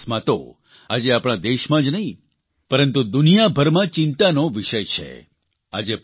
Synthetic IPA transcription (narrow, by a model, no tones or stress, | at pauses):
smãt̪o̰ | ad͡ʒeapɽ̃ad̪eʃmãd͡ʒnəɦĩ | pəɾənt̪ud̪unijabʱəɾmãt͡ʃɪ̃nt̪anoʋiʃəjt͡ʃʰḛ | a̰d͡ʒe